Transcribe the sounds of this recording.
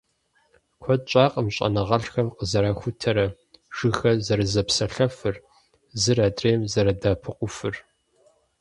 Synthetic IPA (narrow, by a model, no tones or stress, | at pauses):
kʷʰɔt͡ʃʼaːqʼəmɕʼɐ̰nɐʁɐɬxɐmqəzɐɾaːxʷʊtʰɐɾɐ | ʒ̥ɨxɐzɐɾɨzɐpsɐɬɐfɨr | zɨraːdreːmzɐɾɐdaːpʰɨqʷʊfɨr